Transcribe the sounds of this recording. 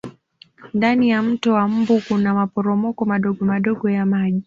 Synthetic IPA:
ndanijam̩tɔwam̩bukunamapɔɾɔmɔkɔmaɗɔɠɔmaɗɔɠɔjamaʄi

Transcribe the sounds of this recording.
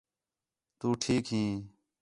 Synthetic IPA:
t̪uːʈʰiːkɦiː

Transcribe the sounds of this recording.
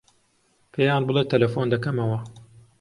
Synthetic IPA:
pʰejaːnbɨlˠet̪ʰːɐlɐfond̪ɐkɐmɐwɐ

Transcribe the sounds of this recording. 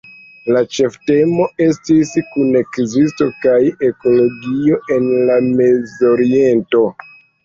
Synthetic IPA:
lat͡ʃe̞fte̞mo̞e̞stiskune̞kzisto̞kaje̞ko̞lo̞ɡio̞ʔe̞nlame̞zo̞ɾie̞nto̞

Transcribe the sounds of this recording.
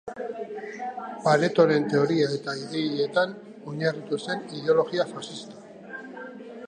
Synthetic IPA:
paɾe̞t̪o̞ɾe̞nt̪e̞o̞ɾiae̞t̪aiðeʎe̞t̪an | oɲarut̪use̞niðeo̞lo̞ɣiafasist̪ḁ

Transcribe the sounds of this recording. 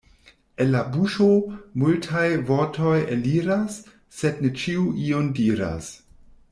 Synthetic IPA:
enlabuʃomultʰajvo̞ɾtʰo̞jeliɾasː | e̞dnet͡ʃiuʔiondiːɾa̰s

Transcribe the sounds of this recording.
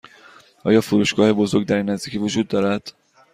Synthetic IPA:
ʔɒ̰ːjɒːfuɾuːʃɡɒːhe̞bo̞zoɾɡd̪æɾiːnːæzd̪iːcʰiːvod͡ʒuːd̪ːɒːɾæd̪̥

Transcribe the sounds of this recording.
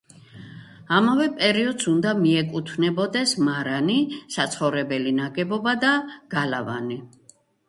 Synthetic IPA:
amavɛpʼɛɾiɔd̪sund̪amiɛkʼut̪ʰvnɛbɔd̪ɛsmaɾanisat̪sʰχɔvɾɛbɛlinaɡɛbɔbad̪aɡ̥alava̰ni

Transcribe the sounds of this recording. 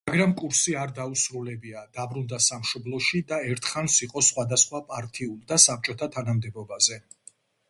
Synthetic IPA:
aɡɾamkʼuɾsiaɾd̪ausɾulɛbiad̪abɾund̪asamʃɔblˠɔʃid̪aɛɾt̪ʰχansiqʼɔsχwad̪asχwapʼaɾt̪ʰʼiulˠd̪asap̚t͡ʃʼɔt̪ʰat̪ʰanamd̪ɛbɔbazɛ

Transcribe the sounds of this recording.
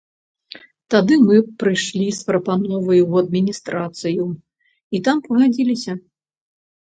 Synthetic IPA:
t̪ad̪ɨmɨpɾɨjʂlʲispɾɐpanɔvɐjwɐd̪̚mʲinʲist̪ɾat̪sɨju | it̪ampɐɣad͡zʲilʲisʲɐ

